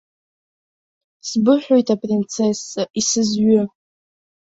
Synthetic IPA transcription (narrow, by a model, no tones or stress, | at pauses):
sbɨħʷᶣojtʰapʼrint͡sʰesaisɨzɥʊ